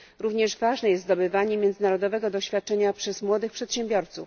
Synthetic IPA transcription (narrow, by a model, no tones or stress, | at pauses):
ɾuvɲɛʐvaʐnɛjɛst̪d̪ɔbɘvaɲɛmʲjɛnd̪zɘnaɾɔd̪ɔvɛɡɔd̪ɔɕfʲjat̪̚t͡ʂɛɲapʂɛzmwɔd̪ɘxpʂɛt̪ɕɛmbʲjɔɾt̪sṵf